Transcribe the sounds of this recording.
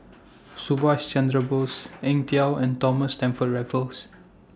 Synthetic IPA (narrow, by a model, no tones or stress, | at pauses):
subast͡ʃɛ̃ndɹəbosɛ̃ŋtiawɛ̃ntɔməstɛ̃mfɔt̚ɹɛvəls